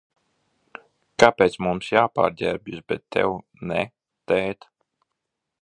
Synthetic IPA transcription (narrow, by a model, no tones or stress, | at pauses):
kapeːt̪smumsjaːpa̰ːɾd̪ʲɛɾbʲisbɛt̪ʰːɛ̰w | nɛ | t̪ɛːt̪